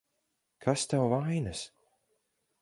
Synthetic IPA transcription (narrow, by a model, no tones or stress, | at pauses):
kʰast̪awvaajnas